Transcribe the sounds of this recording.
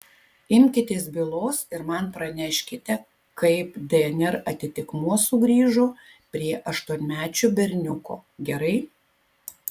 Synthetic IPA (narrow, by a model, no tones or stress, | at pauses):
ɪmʲkʲɪt̪ʲeːsbʲɪlˠoːsɪɾmɐnpɾɐnʲæːʃʲkʲɪt̪ʲɛ | kɐɪpd̪ʲɛɛnʲɛɾɐt̪ʲɪt̪ʲɪkmuɔsʊɡɾʲiːʒʊ | pʲɾʲiɛʔɐʃt̪uɔnʲmʲæːt͡ʃʲʊbʲɛɾʲnʲʊko̰ːɡʲɛɾɐɪ